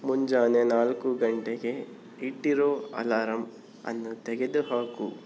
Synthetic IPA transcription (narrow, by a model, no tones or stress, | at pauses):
muɲd͡ʒaːnenaːlkuɡɐɳʈeɡe̞ | iʈːiɾoːɐ̰laːɾɐm | ɐ̰nːut̪ɛɡed̪uɦaːku